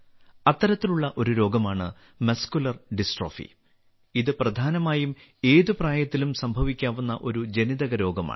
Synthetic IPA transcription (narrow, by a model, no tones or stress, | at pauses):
ɐt̪ːɐɾɐt̪ːiluɭːɐʔo̞ɾuɾo̞ːɡɐmaːɳɨ | mɐskulɐrɖisʈro̞ːfḭ | iðɨprɐd̪ʱaːnɐmaːjum | e̞ːðupraːjɐt̪ːilumsɐmbʱɐʋikʲːaːʋunːɐʔo̞ɾud͡ʑe̞niðɐɣɐɾo̞ːɡɐma̰ːɳ